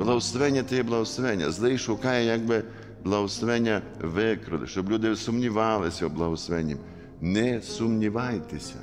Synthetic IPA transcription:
blˠɐwsʋɛnʲːɐt̪ɛjɛblˠɐwsʋɛnʲːɐ̰zlˠɪjʃʊkɑjɛjaɡ̚bɪ | blˠɐwʊsʋɛnʲːɐ | ʋɪkɾʊ̰lɪ̰ʃt͡ʃɔblʲud̪ɪsʊmnʲiʋɑlˠɪsʲɐwblˠɐwʊsʋɛnʲːim | nɛsʊmnʲiʋɑjt̪ɪsʲɐ̰

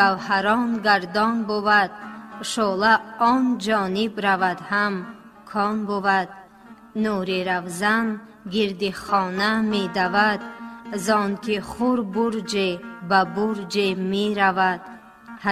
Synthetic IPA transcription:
avhaɾɔnɡaɾd̪ɔnbuvad̪̚ʃɔlaɔnd͡ʒɔnibɾavad̪ham | kʰɔnbuvad̪̚ | nuɾiɾavzanɡiɾd̪iχɔnamed̪avad̪̚zɔnkʰiχuɾbuɾd͡ʒebabuɾd͡ʒemeɾavad̪ | h

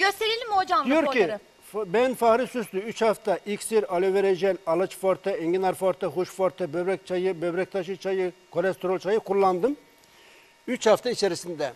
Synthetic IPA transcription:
ɟøst̪ʰeɾilʲimːod͡ʒamd̪ijoɾkʰi | bɛnfahɾisyslyyt͡ʃhaft̪ʰaʔikʲsiɾɑleveɾed͡ʒɛnɑlˠat͡ʃfaɾt̪ʰaeŋɟinaɾfaɾt̪ʰaɦuʃfaɾt̪ʰabøbɾɛk̚ʲt͡ʃʰajɯbøbɾɛc̚t̪ʰaʃ̬ɯt͡ʃʰajɯkʰo̞lʲɛst̪ʰoɾolʲˠt͡ʃʰajɯkʰuɾlˠːand̪ɯm | yt͡ʃhaft̪ʰait͡ʃʰeɾisind̪ɛ

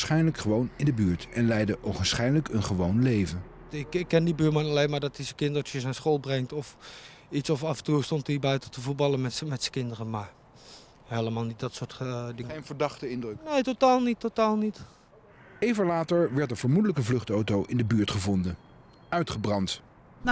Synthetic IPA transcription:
sχɛjnləkχəʋownɪndəbyːɹtɛnlɛjdəʔowχənsχɛjnləkənχəʋownlejvən | ɪkɪkːɛndibyːɹmɑnɑlejnmaːɹdɔtɪsəkɪntɔtəsɛnsχoːlˠbrɛŋtɔf | itsɔfɑvəntuːstɔntiːbɛjtɔtəvut̚bɑlˠəəmɛtsə̥kɪndərəmaɹ | hejləmaːlˠnit̚dɔtsʊtdɪŋejnvəɹdɑχtəɪndrɵknejtotaːlˠnitʰːotaːlˠnit | ejvəlaːtəɹʋɛɹt̚dəv̥əɹmudələkəvlɵχtowtowʔɪndəbyːɹtχəvɔndən | œɥtχəbrɑnt

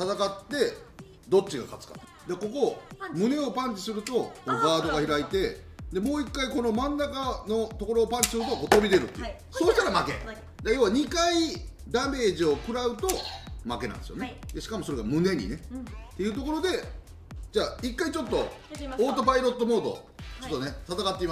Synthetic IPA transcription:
t̪at̪akat̪ːe̞ | d̪o̞t͡ɕːiɡa̰kat͡sɨ̥kḁ̰ | d̪eako̞ko̞mɯ̟ne̞o̞pãɲt͡ɕi̥sɨɾɯ̟t̪o̞konoɡaːd̪o̞ɡaçiɾait̪e̞d̪e̞mo̞ːikːaiko̞no̞mãnːakano̞t̪o̞ko̞ɾo̞ːpãɲ̟t͡ɕi̥sɨɾɯ̟t̪okot̪o̞bʲid̪e̞ɾɯ̟t̪ːeḭ | soːɕi̥t̪aɾamake̞̰ | d͡ʑajo̞ːβaɲ̟ikai | d̪ame̞ːʑio̞kɯ̟ɾaɯ̟t̪o̞make̞nã̰nesjoned̪eɕi̥kamo̞so̞ɾe̞ɡamɯ̟ne̞ɲ̟ḭne̞t̪ːejɯ̟ːt̪̬o̞ko̞ɾo̞d̪e̞ | d͡ʑaːikːait͡ɕo̞t̪ːo̞oːt̪obaiɾo̞t̪ːo̞mo̞ːt̪o̞̰ | t͡ɕo̞t̪ːone̞t̪at̪akat̪ːeima

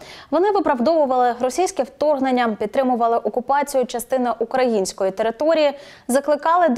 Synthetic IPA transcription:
ʋɔnɪʋɪpɾɐwd̪ɔʋʊʋɐlˠɪɾɔsʲijsʲkɛwt̪ɔrɦnenʲːɐpʲid̪t̪ːɾɪmʊʋɐlˠɪʔɔkʊpɑt͡sʲijʊt͡ʃɐst̪ɪnɐʔukɾɐjinʲsʲkɔjit̪e̞ɾɪt̪ɔɾʲiji | zɐklˠɪkɑlˠɪd̪

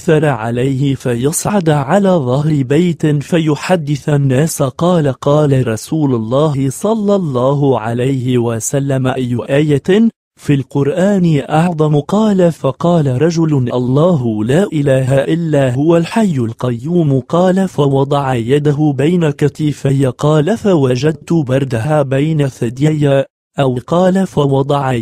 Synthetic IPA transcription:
θɑɾˤɑʕa̰lajhɪfajɑsˤʕɑd̪ʕalaːðˤɑhɾɪbajt̪ɪfajʊħad̪ːɪθanːaːsqɑːlaqɑːlaɾˤɑsuːlʊlˤːɑːɦɪsˤɑlːɑlˤːɑːɦʊʕa̰lajhɪwasalːamaʔajːʊʔaːja | fiːlqʊɾʔaːnɪʔɑʕðˤɑmʊqɑːlafɑqɑːlaɾˤɑd͡ʒʊlʔɑlˤːɑːɦʊlaːʔɪlaːɦaʔɪlːaːhʊwalħajːalqajːuːmqɑːlafawɑd̪ˤɑʕɑjad̪aɦʊbajnakaθiːfajaqɑːlafawad͡ʒad̪̚t̪ʊbɑɾˤd̪ahabajnaθad̪jajːa | ʔawɪqɑːlafawɑd̪ˤɑʕɑ

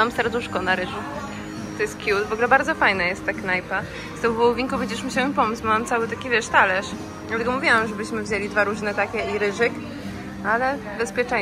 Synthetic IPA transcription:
amst̪aɾd̪uʂkɔnaɾɘʐu | t̪ɔjɛst̪kʲjut̪vɔɡlɛbaɾd̪zɔfajnajɛst̪ːaknajpa | st̪ɛwvɔwɔvʲiŋkupvʲɛɲd͡ʑɛʂmuɕawɛmpɔmut͡ɕʲbɔmamt̪sawɘt̪akʲivʲjɛʂt̪alɛʂ | lat̪ɛɡɔmuvʲjiwamʐɛbɘɕmɘvʑelʲid̪vaɾuʐnɛt̪akʲɛiɾɘʐɘk | alɛ | bɛspʲjɛt͡ʂɛ

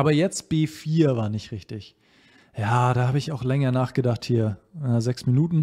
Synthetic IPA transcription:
ʔaːbɐjɛt͡st̚b̥eːfiːɐvaːɐnɪçtʁɪçtɪç | jaːɾ̥aːhaːbəɪçaʊxlɛŋɐnaːχɡ̥ədaχthiːɐnazɛksminuːtn̩

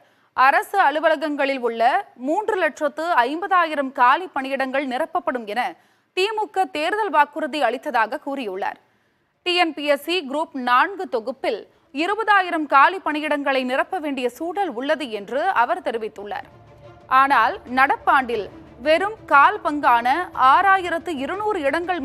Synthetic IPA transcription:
ɐɾɐsɯɐɭɯʋɐlɐɣɐŋɡɐɭɪlʊɭːɐmuːndrɯlɛʈrɐt̪ːɯɐɪmbɐðaːjɪɾɐmkaːlipːɐɳɪjɪɽɐŋɡɐɭnɪrɐpːɐpːɐɽɯmɛnɐ | t̪iːmʊkːɐt̪ːeːɾɯðɐlʋaːkɯɾɐðiɐɭɪt̪ːɐðaːɣɐkuːrɪjɯɭːa̰ːɾ | ʈiɛnpiɛsiɡɾuːpnaːɳɡɯt̪ɔɣɯpːɪl | ɪɾɯbɐðaːjɪɾɐmkaːlipːɐɳɪjɪɽɐŋɡɐɭɐɪnɪrɐpːɐʋeːɳɖɪjɐsuːɽɐlʊɭːɐðɯɛndrɯɐʋɐɾt̪ɛɾɪʋɪt̪ːɯɭːa̰ːɾ | aːnaːlnɐɽɐpːaːɳɖɪl | ʋɛɾɯmkaːlpɐŋɡaːnɐʔaːɾaːjɪɾɐt̪ːɯɪɾɯnuːɾɯɪɽɐŋɡɐɭ

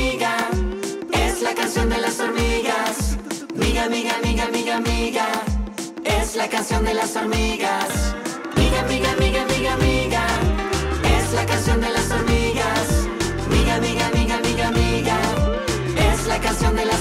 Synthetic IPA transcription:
ɣa | eslakansjo̞nd̪elasoɾmiɣas | miɣamiɣamiɣamiɣamiɣa | eslakansjo̞nd̪elasoɾmiɣas | miɣamiɣamiɣamiɣamiɣa | eslakansjo̞nd̪elasoɾmiɣas | miɣamiɣamiɣamiɣamiɣa | eslakansjo̞nd̪ela

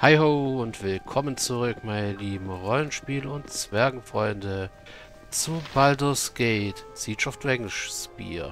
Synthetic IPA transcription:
haɪɦoːʊntv̥ɪlkʰɔmənt͡suʁʏkmaɪnəliːbm̩ʁɔlənʃpiːləʊntt͡sv̥ɛɐɡŋ̩fʁ̥ɔʏndə | t͡subaldosɡ̥eɪtt͡siːt͡ʃaʊfd̥ʁɛŋʃspḭːɐ

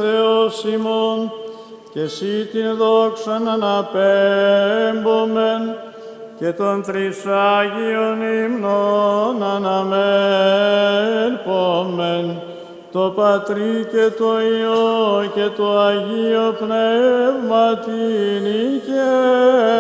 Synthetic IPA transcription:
eosimon | cesit̪inðoksɐnɐnɐpe | mbomen | ce̞t̪ont̪ɾisaʝionimnonɐnɐme | lpomen | t̪opɐt̪ɾicet̪oioce̞t̪oɐʝiopnevmɐt̪inice

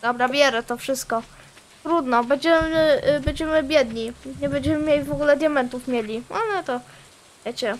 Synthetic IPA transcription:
d̪ɔbɾabʲjɛɾɛt̪ɔfʂɘst̪̚kɔ | t̪ɾud̪nɔbɛɲd͡ʑɛmɘbɛɲd͡ʑɛmɘbʲjɛd̪ɲiɲɛbɛɲd͡ʑɛmɘmʲjelʲivɔɡulɛd̪ʲjamɛnt̪ufmʲjelʲialɛt̪ɔ | ɛt͡ɕɛ

